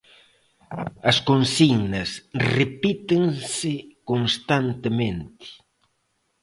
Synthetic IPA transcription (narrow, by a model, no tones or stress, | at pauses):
ɐskonsinɐsrepit̪ɪŋsɪkonst̪ant̪emẽnt̪ɪ̥